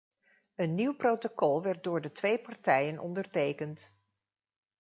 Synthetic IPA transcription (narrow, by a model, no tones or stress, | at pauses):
ənːiwprowtokɔlˠʋɛɹt̚dʊːɹdətʋejpɑɹtɛjənʔɔ̰ndəɹtejkənt